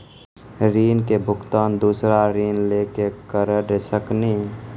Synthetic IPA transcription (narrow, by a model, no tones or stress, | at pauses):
ɾiːnkebʱʊkt̪aːnd̪uːsɾaɾiːnleːkekəɾəɾesəkniː